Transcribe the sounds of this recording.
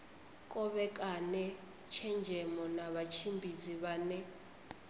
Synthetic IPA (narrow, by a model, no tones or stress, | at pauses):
kʼɔɓɛk̬ʼanɛ | t͡ʃʰɛnd͡ʒʱɛmɔnaβat͡ʃʰimbʱid͡ziβaːnɛ